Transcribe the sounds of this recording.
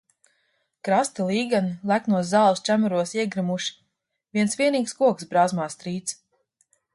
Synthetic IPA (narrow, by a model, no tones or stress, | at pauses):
kɾast̪ilˠiːɡanilˠæknuɔzaːlˠst͡ʃʲæmuɾuɔsiɛɡɾɨmuʃi̥ | vʲiɛnsvʲiɛniːkskuɔksbɾaːzmaːst̪ɾiːt̪s